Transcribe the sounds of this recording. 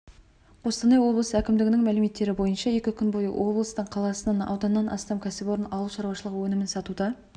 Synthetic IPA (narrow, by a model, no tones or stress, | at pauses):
qʰo̞st̪ɑnɑjwo̞blˠəsəækʲɪmd̪ɪɡʲɪnɪŋmælɪme̞t̪ːe̞ɾɪbo̞jənʃɑje̞kʲɪkʲʰʏnbojə̰wʔo̞blˠəst̪əɴqʰɑlˠɑsənɑnɑ̰wd̪ɑnəːɑnʔɑ̰st̪ɑmkʲʰæsɪbo̞ɾənɑwlˠʃɑɾwɑʃəlˠəqwɵnɪmɪnsɑt̪ud̪ɑ